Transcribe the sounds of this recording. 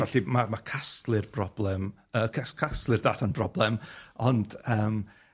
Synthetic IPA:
vɛɬimamakʰastlˠɨrb̥rɔblˠɛm | əːkʰskʰastlˠɨrdaːtʰanbrɔblˠɛmɔnd̥əːm

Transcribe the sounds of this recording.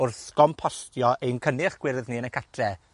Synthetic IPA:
ʊrθɡ̥ɔmpʰɔɬtjɔʔejnkʰənɪχɡ̥wɪrðniənəkʰatʰrɛ

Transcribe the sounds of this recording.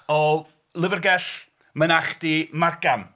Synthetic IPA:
ɔ | lˠɪvərɡɛɬ | mənaχd̥imarɡam

